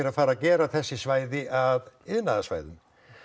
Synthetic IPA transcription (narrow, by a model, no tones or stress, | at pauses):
ɪɾafaːɾacɛːɾaθɛsːɪsvaːjðɪʔaðɪðnaðasva̰ːjðʏ̰m